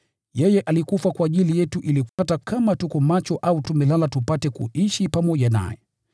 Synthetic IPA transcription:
jɛjɛʔalikufakwaːʄilijɛtuʔilikuatakamatukɔmat͡ʃɔʔautumɛlalatupatɛkṵʔiʃipamɔʄana̰jɛ̰

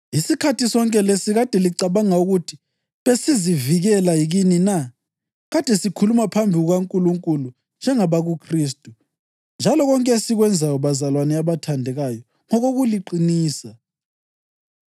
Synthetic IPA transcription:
isikʰatisɔŋkʼɛlesiɣad̥ʱɛliǀaβaŋauɣutʰi̥ | βesiziviɣɛlaiɣinina | ɣad̥ʱɛsikʰulumapʰambʱiɣuɣaŋkʼuluŋkʼulu | nd͡ʒʱɛŋaβaɣukʰriːs̬tʼu | nd͡ʒʱalɔɣɔŋkʼɛsiɣwɛnd͡zʱajɔβazalwanɛaβatʰandʱɛɣajɔ | ŋɔɣoɣuliǃiniːsa

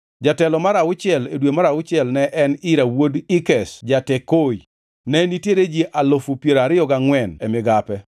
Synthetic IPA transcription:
d͡ʒatɛlɔmaɾaʊt͡ʃɪɛledwemaɾaʊt͡ʃɪɛlnɛʔɛnɪɾawodɪkɛsd͡ʒatekoi | nɛnitjeɾed͡ʒiʔalofupjeɾaɾɪjɔɡaŋwɛnɛmɪɡapɛ

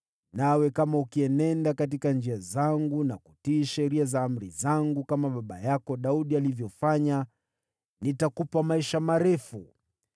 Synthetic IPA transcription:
nawɛkamaukiɛnɛndakat̬ikand͡ʒiazaŋɡunakutiːʃɛɾiazaam̩ɾḭzaŋɡukamaɓaɓajakɔɗauɗialivjɔfaɲa | nitakupamaiʃamaɾɛfṵ

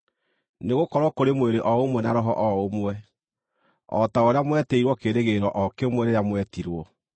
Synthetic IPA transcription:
neɣokɔɾwɔkoɾemweɾeʔɔomwɛnaɾɔɦɔ̰ʔɔomwɛ | ɔ̰taoɾeamwɛtɛiɾwɔkeɾeɣeɾɔʔɔkemwɛɾeɾamwɛtiɾwɔ

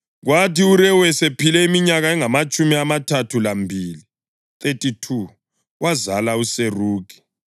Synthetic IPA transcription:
ɣwatiuɾɛwɛsepʰilɛimiɲaɣaɛŋamat͡ʃʼumiamatʰatʰulambʱili | tʼetʼitʰu | wazalauseruːkʰi̥

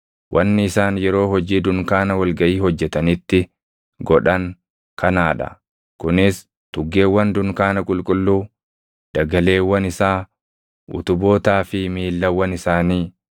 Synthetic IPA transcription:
wʔɐnːɪɪsaːnjɛɾo̞ːhɔd͡ʒiːd̪ʊŋkaːnɐwɐlɡɐʔiːhɔd͡ʒːɛt̪ɐnɪt̪ːɪ | ɡɔᶑɐŋ | kʰɐnaːᶑɐ̰ | kʊnɪs | t̪ʊɡːe̞ːwːɐnd̪ʊŋkaːnɐkʼʊlkʼʊlːuː | d̪̥ɐɡɐle̞ːwːɐnɪsaː | ʔʊ̰t̪ʊbo̞ːt̪aːfɪmiːlːɐwːɐnɪsaːniː

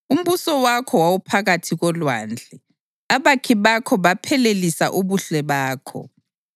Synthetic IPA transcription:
um̩βusɔwakʰɔwawupʰaɣatʰiɣɔlwand͡ɮʱɛ | aβakʰiβakʰɔβapʰɛlelisaʔuβuɬɛβaːkʰɔ̰

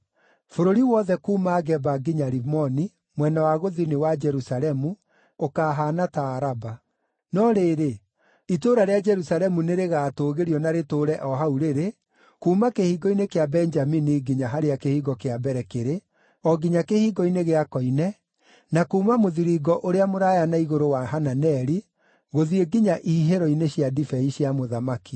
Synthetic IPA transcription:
foɾoɾiwɔðɛkuːmaɡɛbaɡiɲaɾimɔni | mwɛnawaɣoðinewad͡ʒɛɾusalɛmu | okaːɦaːnataːɾaba | nɔɾeːɾe | itoɾaɾead͡ʒɛɾusaɾɛmuneɾeɣaːtoːɣeɾijɔnaɾetoɾɛʔɔɦauɾeɾe | kuːmakehiːɡɔinekeabɛnd͡ʒaminiɡiɲaɦaɾeakehiːɡɔkeabɛɾɛkeɾe | ɔɡiɲakehiːɡɔineɣeakɔinɛ | nakuːmamoðiɾiɡɔʔoɾeamoɾaːjanaiɣoɾowaɦananɛɾi | ɣoðieɡiɲaʔihiɦeɾɔineɕjadifɛiɕjamoðamaki

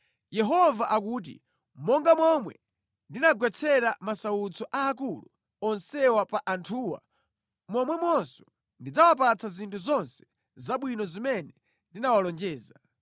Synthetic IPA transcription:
jɛɦɔvaʔak̬uːt̬ḭ | mɔŋɡamɔmwɛ̰ | ndinaɡwɛt͡sʰɛɾamasaut͡sɔʔaːk̬ulṵ | ɔnsɛwapaʔantʰuːwa̰ | mɔmwɛmwɔnsɔ̥ | ndid͡zawap̬at͡sʰazintʰuzɔnsɛ̥ | zaɓwinɔzimɛnɛ | ndinawalɔnd͡ʒɛːza

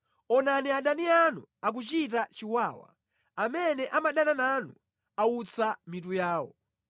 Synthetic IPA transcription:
ɔnaniaɗanianuak̬ut͡ʃit̬at͡ʃiwaːwa̰ | amɛnɛʔamaɗanananu | aut͡sʰamit̬ujaːwɔ̰

